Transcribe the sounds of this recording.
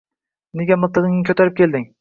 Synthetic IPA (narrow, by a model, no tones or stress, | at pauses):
neɡʲɛmɨlˠt̪ːɨʁɨŋnɪkʲʰøt̪ʰæɾɪp̚kʲeld̪ɪŋ